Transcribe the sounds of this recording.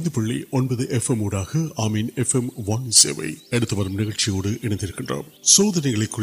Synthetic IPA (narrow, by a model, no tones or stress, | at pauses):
nd̪ɯpɐɭːḭʔonbɐðɨʔefemuːɽaːɣɐaːmiːnefemʋaːnsḛʋɐ̰jɛɽɯt̪ːɐpɐɾɐmnɪɣɐɭt͡ʃijoːɽɨʔɛnɐnd̪iɾɯkːɪɳdrɐ̰msoːðɐnɐɣɐɭekːu